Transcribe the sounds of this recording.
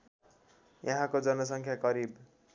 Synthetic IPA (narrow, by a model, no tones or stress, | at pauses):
jʌɦãkod͡zʌnʌs̬ʌŋkʰjaɡʌɾib